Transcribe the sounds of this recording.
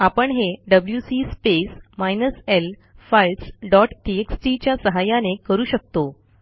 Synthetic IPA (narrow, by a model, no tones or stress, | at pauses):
apəɳɦeɖəbljusispesmajnəsel | fajlsɖɔʈʈieksʈit͡ɕjasəɦajanekəɾuːɕək̚t̪o